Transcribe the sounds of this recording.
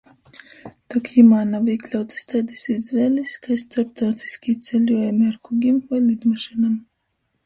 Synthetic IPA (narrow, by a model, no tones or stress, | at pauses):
t̪ɔkimaːnaviklʲawt̪i̥st̪ajd̪isizvɛːlʲiskaist̪ɔɾp̚t̪aːt̪i̥skʲit̪sɛlʲuɔjamiaɾkuɡʲimvajlˠid̪maʃinam